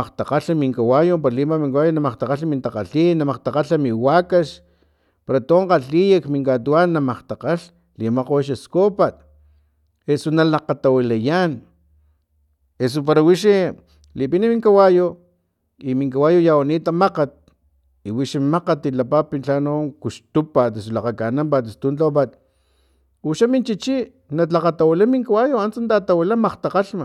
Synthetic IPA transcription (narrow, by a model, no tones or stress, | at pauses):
aqt̪aqaɬamiŋkawajopaɾalimamiŋkawajonamaqt̪aqaɬamint̪aqaɬinːamaqt̪aqaɬamiwakaʃ | paɾat̪oːɴqaɬijakmiŋkat̪uanːamaqt̪aqaɬ | limaqowaʃaskopat̪̚ | esonalaqat̪awilajan | es̬op̬aɾawiʃi | lipinimiŋkawajo | imiŋkawajojawaniːt̪amaqat̪̚ | iwiʃimaqat̪ilapapint͡ɬanokuʃt̪upat̪es̬ulaqakanampat̪̬est̪unt͡ɬop̬at̪ | uʃamint͡ʃit͡ʃi | nat͡ɬaqat̪awilamiŋkawajoant͡sant̪at̪awilamaqt̪aqaɬma